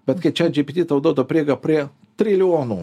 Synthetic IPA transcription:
bʲɛt̪kɐɪt͡ʃʲɛd͡ʒʲɪpʲɪt̪ʲiːt̪ɐʊd̪oːd̪opʲɾʲeːɡɐpʲɾʲiɛ | t̪ʲɾʲɪlʲɪoːnuː

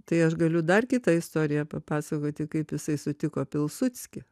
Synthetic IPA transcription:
t̪ɐɪɐʃɡɐlʲʊd̪ɐrkʲɪt̪ɐɪst̪oːɾʲɪjɛpɐpɑːsɐkoːt̪ʲɪkɐɪpjɪsɐɪsʊt̪ʲɪkoːpʲɪlˠsʊt͡sʲkʲɪ

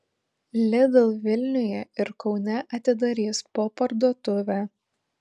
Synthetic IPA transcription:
lʲɪd̪ɐlˠʋʲɪlʲnʲʊjɛɪɾkɒʊnʲɛʔɐt̪ʲɪd̪ɐɾʲiːspoːpɐɾd̪uɔt̪ʊʋʲæː

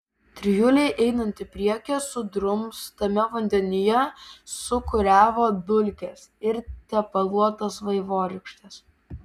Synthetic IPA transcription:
t̪ʲɾʲɪjʊlʲɛɪʔɛɪnɐnʲt̪ʲɪpʲɾʲiɛkʲɛsʊd̪ɾʊmst̪ɐmʲɛʋɐnʲd̪ʲɛnʲɪjɛsʊkʊɾʲæːʋoːb̪ʲʊlʲkʲɛsɪɾt̪ʲɛpɐlˠuɔt̪ɐsʋɐɪʋoːɾʲɪkʃʲt̪ʲɛs

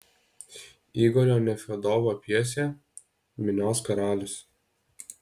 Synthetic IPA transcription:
iːɡoːɾʲoːnʲɛfʲɛd̪oːʋoːpʲiɛsʲe | mʲɪnʲoːskɐɾɑːlʲɪs

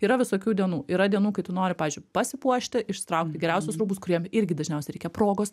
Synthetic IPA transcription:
iːɾɐʋʲɪsoːkʲuːd̪ʲiɛnuːiːɾɐd̪ʲiɛnuːkɐɪt̪ʊnoːɾʲɪpɑːʋʲeːzʲd͡ʒʲʊɪpɐsʲɪpuɔʃʲt̪ʲɪʔɪʃsʲt̪ɾɐʊkt̪ʲɪɡʲɛɾʲæˑʊsʲʊsɾuːbʊskʊɾʲiɛmɪɾʲɡʲɪd̪ɐʒʲnʲɛʊsʲɛɾʲɛɪkʲɛpɾoːɡoːs

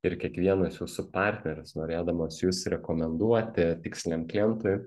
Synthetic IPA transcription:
ɪɾkʲiɛkʋʲiɛnɐsjuːsʊpɑːɾʲt̪ʲnʲɛɾʲʊsnoːɾʲeːd̪ɐmoːsjuːsɾʲɛkoːmʲɛnd̪uɔt̪ʲɪt̪ʲɪksʲlʲɛnklʲɛnt̪ojʊ

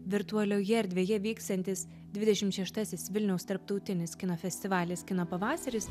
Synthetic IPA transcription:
ʋʲɪɾt̪ʊɐlʲoːjɛɾʲd̪ʲʋʲeːjɛʋʲiːkst̪ɐnʲt̪ʲɪs | d̪ʲʋʲɪd̪ʲɛʃʲɪmt̪ʃʲɛʃt̪ɐsʲɪsʋʲɪlʲnʲɛʊst̪ɐɾp̚t̪ɒʊt̪ʲɪnʲɪskʲɪnoːfʲɛsʲt̪ʲɪʋɑːlʲɪskʲɪnoːpɐʋɑːsɐɾʲɪs

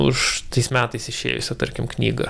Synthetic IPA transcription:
ʊ̰ʃt̪ɐɪsmʲæːt̪ɐɪsɪʃʲḛːjʊ̰sʲɛt̪ɐɾʲkʲɪmknʲiːɡɐ̰

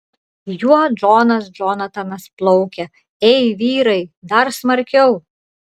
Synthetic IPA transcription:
juɔd͡ʒoːnɐsd͡ʒɔːnɐt̪ɐnɐsplˠɔʊkʲɛ | ɛɪʋʲiːɾɐɪd̪ɐɾsmɐɾʲkʲɛʊ

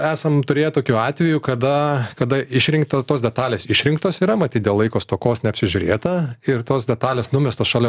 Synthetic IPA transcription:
æːsɐmt̪ʊɾʲeːjɛt̪oːkʲuːɑːt̪ʲʋʲɛjukɐd̪ɐkɐd̪ɐɪʃʲɾʲɪŋkt̪ot̪oːsdʲɛt̪ɑːlʲeːsɪʃʲɾʲɪŋkt̪oːsiːɾɐmɐt̪ʲiːt̪̚d̪ʲeːlˠɐɪkoːst̪oːkoːsnʲɛɐpʲsʲɪʒʲʊɾʲeːt̪ɐɪrt̪oːsd̪ʲɛt̪ɑːlʲeːsnʊmʲɛst̪oːsʃɑːlʲɛ

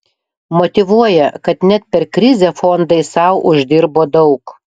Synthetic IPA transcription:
mot̪ʲɪʋuɔjɛkɐt̪nʲɛt̪̚pʲɛɾkɾʲɪzʲefond̪ɐɪsɐʊʔʊʒʲd̪ʲɪɾboːd̪ɒʊk

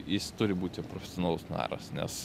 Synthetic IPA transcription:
jɪst̪ʊɾʲɪbuːt̪ʲɪpɾofʲɛ̥sʲoːnɑːlˠʊsnɑ̰ːɾɐ̰snʲɛ̰s

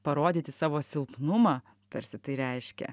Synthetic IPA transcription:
pɐɾoːd̪ʲiːt̪ʲɪsɑːʋoːsʲɪlˠpnʊmɑː | t̪ɐɾʲsʲɪt̪ɐɪɾʲɛɪʃʲkʲɛ̰

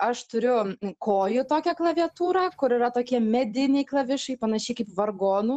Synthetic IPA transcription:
ɐʃt̪ʊɾʲʊkoːjʊt̪oːkʲɛklˠɐʋʲiɐt̪uːɾɑkʊɾɪɾɐt̪oːkʲiɛmʲɛd̪ʲɪnʲɛɪklˠɐʋʲɪʃkɐɪpɐnɐʃʲɛɪkɐɪpʋɐrɡoːnuː

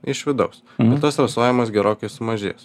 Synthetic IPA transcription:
ɪʃʋʲɪd̪ɐʊs | bɛt̪ɐsɾɐsoːjʲɪmɐsɡʲɛɾoːkʲɛɪsʊmɐʒʲḛːs

